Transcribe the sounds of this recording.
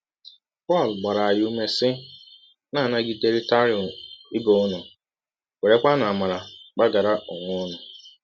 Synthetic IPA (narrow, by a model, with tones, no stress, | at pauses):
pɔ˦˨lɡ͡ba˨ɾa˨a˨ju˦me˦sɪ˦ | naː˦˨na˦ɡɪ˦de˦ɾɪ˦ta˦ɾi˨ʊ˨mɪ˦bo˦ʊ˦nʊ˨ | we˨ɾe˦k͡pa˦na˨a˨ma˨ɾa˨k͡pa˦ɡa˨ɾa˦ʔʊ˨ŋʷʊ˦ʊ˦nʊ˨